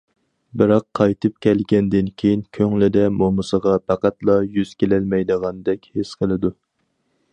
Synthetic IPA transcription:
bɨɾɑqʰːɑjt̪ʰɨp̚kʲʰɛlɡʲɛnd̪ɪnkʲʰejinkʲʰøŋlɪd̪ɛmomɨsəʁɑpʰæqæt̪lˠɑjyz̥kʲʰelɛlmɛjd̪əʁɑnd̪ɛkʲhesqʰəlˠɨd̪u

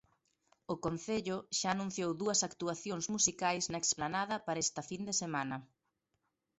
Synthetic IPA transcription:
ʊkon̟θeʎʊʃaːnũn̟θjowðuɐsakt̪uaθjoŋzmusikajznɐeksplanað̞ɐpaɾɐest̪ɐfind̪esemanɐ

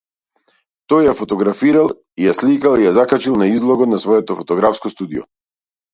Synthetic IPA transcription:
t̪ɔjːafɔt̪ɔɡɾafiɾalˠ | ijaslikalˠijazakat͡ʃilˠnaizlˠɔɡɔt̪nasvɔjɛt̪ɔfɔt̪ɔɡɾafskɔst̪ud̪ijɔ̰

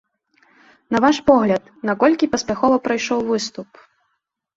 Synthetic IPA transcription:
nɐvaʂpɔɣlʲɐt̪nɐkɔlʲkʲipɐspʲaxɔvɐpɾajʂɔwvɨst̪up

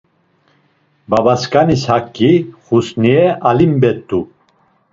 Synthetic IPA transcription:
babaskʼanishakʰʼːiχusniɛʔalimbɛt̪ʼːu

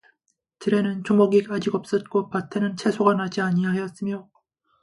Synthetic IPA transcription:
t͡ɕɯɾe̞nɯnt͡ɕomʌɡiad͡ʑiɡʌp̚s͈ʌt̚k͈opatʰenɯnt͡ɕʰe̞sʰoɡanad͡ʑiaɲijahejʌt̚s͈ɯmjo

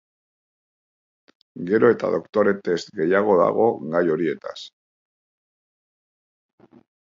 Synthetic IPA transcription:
ɡe̞ɾo̞e̞t̪a̰ðo̞kt̪o̞ɾe̞t̪est̪ɡe̞jaɣ̞o̞ða̰ɣ̞o̞ɡajo̞ɾie̞t̪a̰s

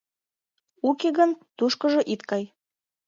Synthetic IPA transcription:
ukeɣənt̪uʃkɤ̆ʒɤ̆ʔit̪kɑj

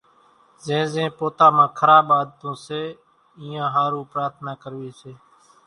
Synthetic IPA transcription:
zẽːzẽːpoːt̪aːmãːkʰəɾaːɓaːd̪̚t̪õːseː | iːjãːɦaːɾũːpɾaːɾt̪ʰnaːkəɾʋiːseː

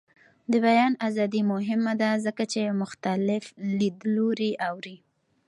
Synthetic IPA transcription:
d̪əbajɑnazɑd̪imʊɦɪmad̪azəkat͡ʃemʊxt̪alɪflid̪loɾiʔawɾi

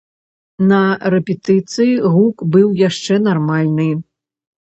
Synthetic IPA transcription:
nɐɾɛpʲɛt̪ɨt̪sɨjiɣukbɨwjaʂt͡ʂɛn̪armalʲnɨ

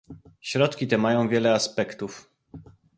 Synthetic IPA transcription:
ɕɾɔt̪kʲit̪ɛmajɔ̃w̃vʲjɛlɛaspɛkt̪uf

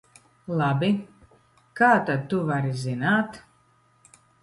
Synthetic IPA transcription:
lˠabʲi | kaːt̪ad̪̚t̪ːuvaɾizinaːt̪

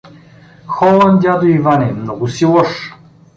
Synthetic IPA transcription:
xɔlˠand̪ʲad̪oivanimnɔɡʊsilˠɔʃ

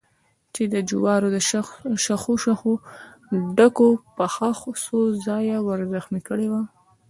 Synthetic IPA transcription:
t͡ʃed̪əd͡ʒʊwɑɾod̪əʃʃaxoʃaxo | ɖakopəxaxsozɑjawəɾzaxmikəɽewa

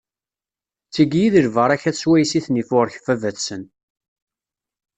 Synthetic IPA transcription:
t͡sːiɡjiðəɾvəɾˤæçæswæjsiθnifʊɾç̥fævæθsən

